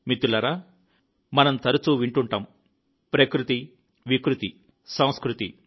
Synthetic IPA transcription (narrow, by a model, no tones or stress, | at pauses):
mit̪ulɐɾa | mɐnɐmt̪ɐɾut͡ʃuːʋiɳʈuɳʈɐm | pɾɐkɾut̪i | ʋikɾut̪i | sɐ̃w̃skɾut̪ḭ